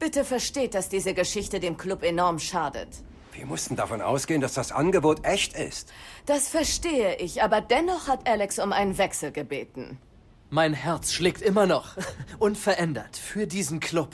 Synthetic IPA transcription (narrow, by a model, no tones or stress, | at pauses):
b̥ɪtəfɛɐʃteːt̚d̥asd̥iːzəɡəʃɪçtədeːmkl̥ʊpenɔɐmʃaːdə̰t | viːɐmʊstn̩dafɔnʔa̰ʊsɡ̥eːəndasd̥asʔa̰nɡəboːtʔɛçtɪ̰std̥asfɛɐʃteːəʔɪçʔaːbɐdɛnɔχhatʔɛlɛksʊmʔaɪnənvɛksl̩ɡəbeːtn̩ | maɪnɦɛɐt͡sʃlɪːk̚tʔɪmɐnɔχʔʊnfɛɐʔɛndɐtfyːɐdiːzn̩kʰl̥ʊp